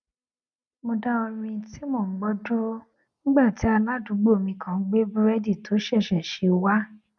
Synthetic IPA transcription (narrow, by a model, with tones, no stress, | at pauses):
mo˧da˦o˧ɾ̃ĩ˧ti˦mo˦˨˦ɡ͡bɔ˦do˦ | nĩ˦ɡ͡ba˦˨ti˨˦a˧lã˨˦˨du˨˦ɡ͡bo˦˨mĩ˧kʰã˧˨˦ɡ͡be˦bɾɛ˦di˦˨tʰo˨˦ʃɛ˦˨ʃɛ˨ʃe˨˧wa˦